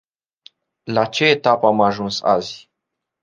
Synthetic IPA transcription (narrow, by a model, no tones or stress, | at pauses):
lat͡ʃeːt̪apamaʒunsa̰zi